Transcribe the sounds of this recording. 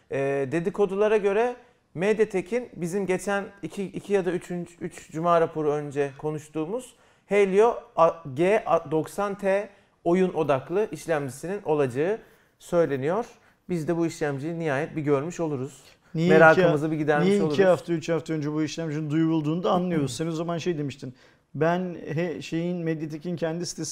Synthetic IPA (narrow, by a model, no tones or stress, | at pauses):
ɛːd̪e̞d̪ikʰo̞d̪ulˠaɾaɟø̞ɾɛ | med̪jat̪ʰecʰinbizimɟe̞t͡ʃʰænicʰiʔicʰijad̪ayt͡ʃʰynt͡ʃyt͡ʃd͡ʒumaːɾapʰo̞ɾuø̞nd͡ʒɛkʰo̞nuʃt̪ʰuːmuz̥ | hejlʲijo̞aɟeʔad̪o̞ksant̪ʰe | o̞juno̞d̪aklˠɯʔiʃlʲæmd͡ʒisinino̞lˠad͡ʒaɯ | sø̞jlʲe̞nijo̞ɾ̥ | bizd̪ɛbuiʃlʲæmd͡ʒijinːiɦaːjɛt̪̚biɟø̞ɾmyʃo̞lˠuɾuz̥ | nijme̞ɾaːkɯmɯzabiɟid̪æɾmiɛiʃouɾihaft̪ʰayt͡ʃhaft̪ʰaønd͡ʒɛbuiʃlʲæmd͡ʒinind̪ujuβulˠd̪uːnd̪aːnlˠɯjo̞ɾuzseinozamanʃejd̪emiʃt̪ʰin | bænɦɛʃe̞jinmɛd̪jet̪ʰecʰincʰɛnd̪isi̥t̪ʰes